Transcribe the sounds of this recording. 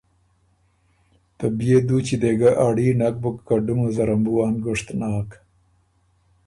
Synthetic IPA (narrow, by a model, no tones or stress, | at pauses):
t̪əbjed̪ut͡ʃid̪eɡaʔaɽiːnak̚bʊkkaɖumozaɾambuwɑːnɡʊʂt̪nɑːk